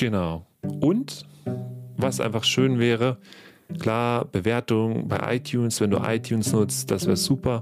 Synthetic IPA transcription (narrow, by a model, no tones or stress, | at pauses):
ɡ̥ənaʊ | ʔʊnt | vasʔa̰ɪnfaχʃøːnvɛːʁə | kʰl̥aːɐb̥əveːɐtʊŋba̰ɪʔa̰ɪtʰjuːnsv̥ɛndṵːʔa̰ɪtʰjuːnsnʊt͡std̥asv̥ɛːʁəz̥uːpɐ